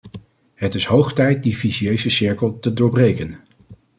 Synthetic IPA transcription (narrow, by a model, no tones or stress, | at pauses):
ɦətɪsɦowχtɛjt̚difiziejzəsɪɹkəlˠtədʊːɹbrejkən